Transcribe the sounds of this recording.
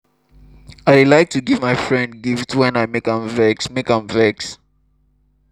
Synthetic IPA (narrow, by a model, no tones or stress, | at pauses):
aɪwlaɪk̚tʰuɡivmaɪfɹɛ̃nd̚ɡiftwɛ̃naɪmekãɱvɛksmekãmvɛks